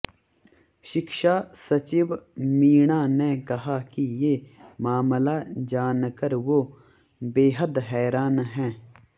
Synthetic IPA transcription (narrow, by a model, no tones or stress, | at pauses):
ʃɪkʃaːsɐt͡ʃiʋmiːɽanekɐɦakijemaːmlad͡ʒaːnkəɾʋo | beːɦəd̪ɦɛːɾaːnɦɛ̃ː